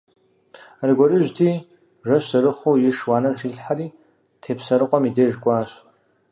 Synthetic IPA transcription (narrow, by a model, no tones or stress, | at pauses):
arɡʷɔrɨʒtʰiː | ʒʷɐɕɐrɨχojɪʂwaːnɐriɮħaɾiː | tʰeːpʰsɐɾɨqʷʼɔmideːʒkʷʼaːɕ